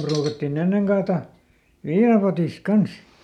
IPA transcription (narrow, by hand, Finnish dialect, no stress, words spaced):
pruːkɑtːin enːeŋ kɑːtɑ ʋiːnɑpotiˑsk̆ kɑns